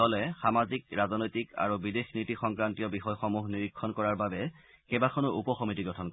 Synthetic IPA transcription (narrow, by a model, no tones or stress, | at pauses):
ɔlɛxamazik̚ɹazɔnɔjtika̰ɹubidexnitixɔŋkɹantiɔbixɔjxɔmuɦniɹikʰːɔnkɔɹaɹbabɛ | kɛbakʰɔnɔupɔxɔmitiɡɹɔtʰɔnkɔ